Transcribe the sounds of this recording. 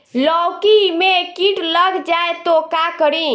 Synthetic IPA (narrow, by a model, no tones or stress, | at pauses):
lɔwkimekiʈləɡd͡ʒaet̪okakəɾĩ